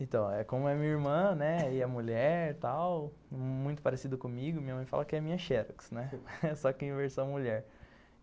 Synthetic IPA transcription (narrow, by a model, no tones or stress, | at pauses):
ẽt̪ɐ̃w̃ɛkõmʊɛmĩɲɐiɾmɐ̃nɛɪɐmuʎɛɾt̪aw | mũj̃t̪ʊpaɾesid̪ʊkõmiɡʊɐmĩɲɐmɐ̃j̃fa̰lɐkɪɛmĩɲɐʃɛɾɐksnɛsɔkɪẽveɾsɐ̃w̃muʎɛɾ